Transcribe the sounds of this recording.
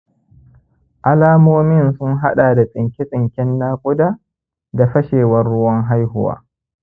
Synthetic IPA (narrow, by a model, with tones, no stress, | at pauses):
ʔa˦laː˦moː˦mɪ˦nsʊ˦ŋɦa˦ɗaː˨da˨sʼɪ˨ŋkʲɪ˦sʼɪ˨ŋkʲɪ˦nːaː˦kʷʼʊ˦daː˦ | da˨ɸɐ˦ʃeː˨wɐ˦rːʊ˦wɐ˦ŋɦa˦jhʊ˦wa̰ː˦